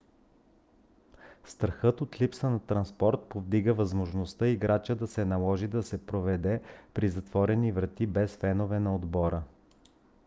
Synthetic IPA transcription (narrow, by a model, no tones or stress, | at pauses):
st̪ɾɐxɤt̪ot̪lipsənɐt̪ɾɐnspɔɾt̪̚povd̪iɡəvɐzmoʒnost̪ɤiɡɾat͡ʃəd̪ɐsɛnɐlˠɔʒid̪ɐsɛpɾovɛd̪ɛpɾizɐt̪vɔɾɛnivɾɐt̪ibɛsfɛnovɛnɐod̪bɔɾə